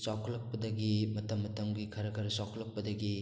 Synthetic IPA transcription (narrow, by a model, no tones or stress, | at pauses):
sawkʰɐlːɐk̚pɐdɐɡimɐtɐmːɐtɐmɡikʰɐɾɐkʰɐɾsawkʰɐlɐk̚pɐdɐɡi